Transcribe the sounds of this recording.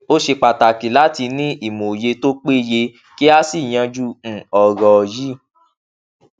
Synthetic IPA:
o˦ʃe˧k͡pa˨ta˨ki˨˦la˦ti˧nĩ˦i˦˨mo˨je˧to˦k͡pe˦je˧ | ki˦a˦si˦˨j̃ã˧d͡ʒũ˦˨ɔ˨ɾɔ˨ji˦

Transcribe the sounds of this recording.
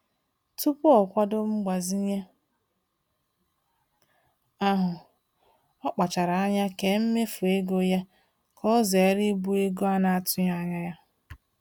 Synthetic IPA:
tu˦pʊ˦ɔ˨kʷa˦do˦ŋ͡m̩˦ɡ͡ba˨zi˦ɲe˦ | a˦ɦʊ˨ | ɔ˦k͡pa˨t͡ʃa˨ɾa˨a˦ɲa˦ke˨m̩˦me˦fu˨e˦ɡo˦ja˦ | kʰɔ˦ze˨˦ɾi˦bu˦e˦ɡo˦a˦na˨a˨tʊ˦ɲa˦˨ɲa˦ja˦

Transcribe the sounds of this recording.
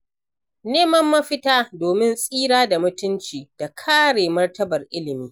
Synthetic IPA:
neː˦mɐ˦mːɐ˦ɸɪ˦taː˦doː˨mɪ˦nsʼiː˦ɽaː˦da˨mʊ˦tʊ˦nt͡ʃiː˨d̥a˨kʰaː˦ɽeː˨mɐ˦rtɐ˦bɐ˨rʔɪ˦lɪ˨miː˦

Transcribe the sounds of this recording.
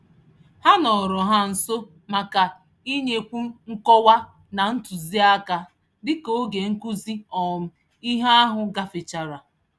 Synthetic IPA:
ha˦nɔ˨ɾɔ˨ɦa˦n̩˨so˦ | ma˨ka˨ | i˦ɲe˦kʷu˦ŋ̩˦kɔ˦wa˦ | na˨n̩˦tu˨zi˦a˦ka˨ | dɪ˦ko˦ɡe˨ŋ̩˦ku˦zi˦ɔ˨m̩˦ | i˦ɦa˦a˦ɦʊ˨ɡa˦fɪ˨t͡ʃa˨ɾa˨

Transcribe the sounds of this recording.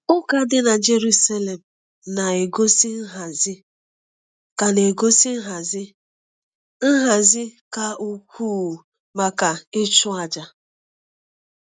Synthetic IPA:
ʊ˦ka˨˦dɪ˦na˨d͡ʒe˨ɾu˦sa˦le˨m̩˨ | na˨e˨ɡo˦si˦n̩˦ɦa˨zɪ˦ | ka˨ne˨ɡo˦si˦ɦa˨zɪ˦ | n̩˦ɦa˨zɪ˦ka˨u˨kʷʰuː˦˨ | ma˨ka˨ɪ˦t͡ʃʊ˦a˨d͡ʒa˦

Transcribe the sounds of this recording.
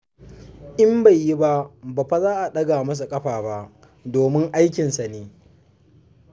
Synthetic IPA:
ʔɪ˦mba˨jːi˦ba˦ʔbaː˨ɸa˦zaː˦ʔa˨ɗɐ˦ɡaː˨mɐ˦s̬a˨kʼɐ˦ɸaː˨ba˦˨ʔ | doː˨mɪ˦ŋʔa˦jkʲɪ˨nsa˨neː˨

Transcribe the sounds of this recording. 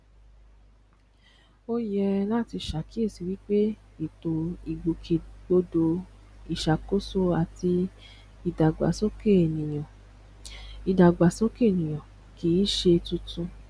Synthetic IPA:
o˦jɛ˧la˦˨ti˧ʃa˨ki˦e˦˨si˨˧wi˦k͡pe˦i˦˨to˨i˨ɡ͡bu˨kʰe˨ɡ͡bo˧do˧i˨ʃa˨ko˦so˦a˨ti˧ | i˨da˨ɡ͡ba˨so˦ke˦˨nĩ˨ã˨ | i˨da˨ɡ͡ba˨so˦ke˦˨nĩ˨j̃ã˨ | ki˨˦ʃe˧tũ˧tũ˧

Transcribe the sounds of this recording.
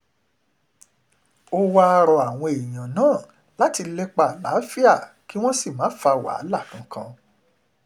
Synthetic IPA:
o˧wa˦a˧ɾɔ˧a˨w̃ɔ̃˧e˨j̃ã˨nãː˦˨ | la˦ti˧lɛ˦k͡pa˨la˨˦fi˦a˦˨ | ki˨˦w̃ɔ̃˦si˦˨mãː˨˦fa˧wa̰˨˦la˦˨kã˨˦kã˧

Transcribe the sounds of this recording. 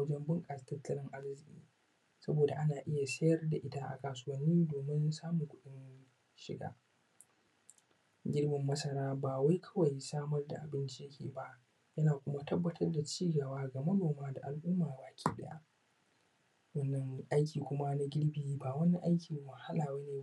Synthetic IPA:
wɐ˦d͡ʒɛ˦mbɪ˦ŋkʼa˨stɐ˦tːɐ˦lɪ˦ŋʔa˦rzɪ˨kʲʼḭː˦ | sɐ˦boː˨da˨ʔa˦naː˨ʔɪ˦ja˨sɐ˦jɐ˦rda˨ʔɪ˦ta˦ʔa̰˨kaː˨sʊ˦wɐ˦nːiː˦doː˨mɪ˦nsaː˦mʊ˨ŋkʷʊ˦ɗɪ˦n | ʃɪ̰˨ɡa̰ː˦ | ɡʲɪ˦ɽmɪ˨mːɐ˦sɐ˨ɾaː˦baː˨wa˦jkʰɐ̥˦wɐ˨jsaː˦mɐ˦rda̰˨ʔa˨bɪ˦nt͡ʃi˦jɐ˦kʲʰḛː˨ba˦ʔ | jɐ˦naː˨kʷʊ˦ma˦tɐ˦bːɐ˨tʰɐ˦rda˨t͡ʃiː˦ɡɐ˨waː˦ɡa˨mɐ˦noː˨maː˦da̰˨ʔa˨lʔʊ˦maː˨baː˨kʲʰḭː˦ɗɐ̰˦ja̰˦ʔ | wɐ˦nːɐ˦ŋʔa˦jkʲiː˨kʷʊ˦ma˦na˦ɡʲɪ˦ɽbiː˨˦baː˨wɐ˦ni˦ʔa˦jkʲɪ˨wʊ˨ha˦laː˨wɐ˦neː˨

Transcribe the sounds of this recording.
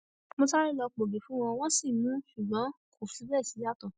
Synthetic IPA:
mõ˧ta˦ɾi˦lɔ˧k͡po˨be˨fũ˨˦w̃ɔ̃˧w̃ɔ̃˦si˦˨mũ˨˦ʃu˨ɡ͡bɔ̃˨˦kʰo˨fĩ˨˦bɛ˦˨si˨˦a˦˨tɔ̃˨

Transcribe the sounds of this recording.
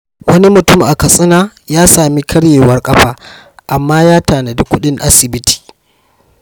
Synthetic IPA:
wɐ˦ni˦mʊ˨tʊ˦mʔa˨kɐ˨sʼɪ˦naː˦jaː˦saː˨mi˦kʰɐ˦ɽjeː˨wɐ˦rkʼɐ˦ɸaː˦ | ʔa˨mːaː˦jaː˦taː˨na˨dʊ˦kʷːʊ˦ɗɪ˦ŋʔa˦sɪ˨bɪ˦tʰi̥ː˨

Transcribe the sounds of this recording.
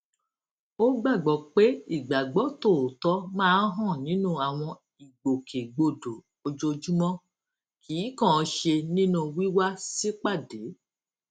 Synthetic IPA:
o˦ɡ͡ba˦˨ɡ͡bɔ˨k͡pe˦i˦˨ɡ͡ba˨ɡ͡bɔ˨˦to˦˨tɔ˨˦mãː˦˨˦n˦ɦɔ̃˦˨nĩ˨˦nũ˦a˨w̃ɔ̃˧ | i˨ɡ͡bo˨kʰe˨ɡ͡bo˧˨do˨ | o˧d͡ʒo˧d͡ʒu˦mɔ̃˦ | kʰi˨˦kɔ̃˦˨˧ʃe˧nĩ˦nũ˧wi˦wa˦si˦k͡pa˦˨de˨˦

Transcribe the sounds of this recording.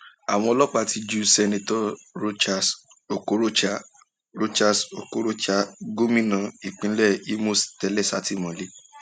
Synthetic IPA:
a˨w̃ɔ̃˧ɔ˧lɔ˦k͡pa˧ti˧d͡ʒu˦sɛ˧nẽ˧tɔ˦ɾo˦t͡ʃa˧˨s | o˨ko˨˦ɾo˦t͡ʃa˦ | ɾo˦t͡ʃa˧so̰˨ko˨˦ɾo˦t͡ʃa˦ɡo˦mĩ˦nã˨˦i˨k͡pĩ˨˦lɛ˦˨i˦mo˦˨stɛ˧˦lɛ˦˨sa˨˦ti˦˨mɔ̃˨le˦

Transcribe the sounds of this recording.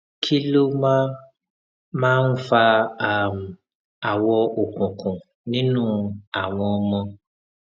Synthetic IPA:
kʰi˦lo˦ma˦ | mãː˦n̩˦fa˧a˦˨m̩˨ | a˨wɔ˧o˨kũ˨kũ˨ | nĩ˦nũː˦a˨w̃ɔ̃˧ɔ˧mɔ̃˧

